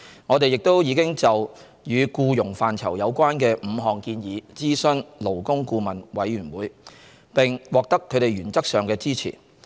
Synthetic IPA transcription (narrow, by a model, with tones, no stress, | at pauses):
ŋɔː˨˧t̪e˨jɪ˨k̚t̪o˥wjiː˨˧kɪ˥ŋt͡sɐ˨w | jyː˨˧kuː˧jʊ˨˩ŋfaː˨nt͡sʰɐ̰˨˩wjɐ˨˧wkʷaː˥nkɛː˧m̩˨˧ɦɔː˨˩ŋkiː˧njiː˨˧t͡siː˥sɵ˥nlo˨˩wkʊ˥ŋkuː˧mɐ˨˩nwɐ˨˥jɥyː˨˩nwuː˨˥j | pɪ˨ŋwɔː˨k̚t̪ɐ˥kʰːɵ˨˧ɥt̪e˨jɥyː˨˩nt͡sɐ˥k̚sœː˨ŋkɛː˧t͡siː˥t͡sʰḭ˨˩